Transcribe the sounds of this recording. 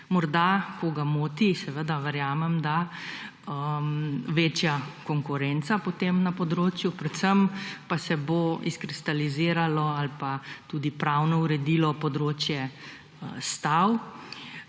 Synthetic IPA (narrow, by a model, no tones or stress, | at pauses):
mɔɾd̪akɔɡamoːt̪isɛʋəd̪aʋɛɾjaːmɛmd̪a | əmʋeːt͡ʃjakɔŋkʊɾɛnt̪sapɔt̪emnapɔd̪ɾoːt͡ʃjupɾɛt̪səmpasɛboiskɾist̪aliziːɾalɔalpat̪ud̪ipɾawnɔuɾɛd̪ilɔpɔd̪ɾoːt͡ʃjɛ | st̪aw